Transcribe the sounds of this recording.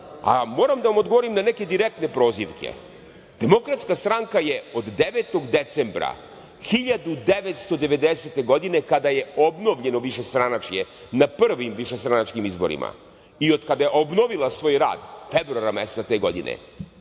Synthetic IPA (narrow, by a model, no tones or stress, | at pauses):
a̰mo̞ːɾamd̪aʋamod̪ɡoʋoɾimnaneke̞d̪iɾek̚t̪ne̞pɾo̞ːziʋkʰḛ | d̪̥e̞mo̞kɾat̪skast̪ɾaŋkajeo̞d̪ːeʋet̪o̞ɡd̪et̪sembɾa̰ | xiʎad̪ud̪eʋet̪st̪o̞d̪e̞ʋe̞d̪ese̞t̪e̞ɡo̞d̪ine̞kad̪aje̞obno̞ʋʎe̞no̞ʋiʃest̪ɾanat͡ʃje̞ | napr̩ʋimʋiʃest̪ɾanat͡ʃkimizbo̞̰ɾḭma̰ | io̞d̪kad̪ajeʔobno̞ʋilˠasʋo̞ːjɾa̰ːd̪febɾuaɾamest̪at̪e̞ːɡo̞̰d̪ḭnḛ